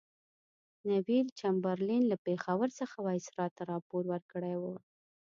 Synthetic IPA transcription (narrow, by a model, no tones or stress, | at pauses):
nawilt͡ʃambaɾlinlapexawəɾsəxawɑjsɾɑt̪aɾɑpoɾwəɾkəɽawə